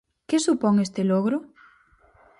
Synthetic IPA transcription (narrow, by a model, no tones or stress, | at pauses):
kesupoŋest̪eloɣɾo